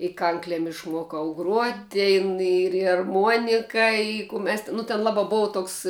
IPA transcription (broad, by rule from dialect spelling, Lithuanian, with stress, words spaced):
ɪ ˈkɐŋklʲɛm ɪʃˈmuɔkɐʊ ɡruɔtʲ ˈtʲeːn ɪr ɪr ɐrˈmuɔnʲɪkɐ ɪ kuː mʲɛs tʲɪ ˈnʊ tʲɛn ˈlˠɑːbɐ ˈboːʋɐ ˈtoːks